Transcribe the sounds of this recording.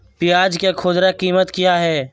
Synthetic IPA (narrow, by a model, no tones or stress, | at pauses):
pɪjaːd͡ʒkekʰʊd̪ɾakiːmət̪kijaɦɛː